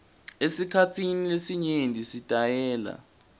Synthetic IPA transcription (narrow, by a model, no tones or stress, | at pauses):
esikʰatʰinilesiɲendʱisitʼajɛːla̰